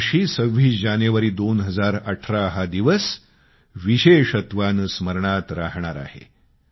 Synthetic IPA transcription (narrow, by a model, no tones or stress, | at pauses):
ɕiːsəʋːiːd͡ʑaneʋəɾiːd̪onɦəd͡zaɾəʈʰɾaɦad̪iʋəs | ʋiɕeʂət̪ʋansməɾɳat̪ɾaɦɳaɾa̰hḛ